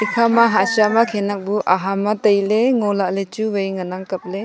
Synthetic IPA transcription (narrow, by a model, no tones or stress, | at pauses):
ikʰamaɦasamakʰenak̚buʔaɦamatɐjleŋɔlaʔlet͡ʃuwajŋanaŋkɐp̚le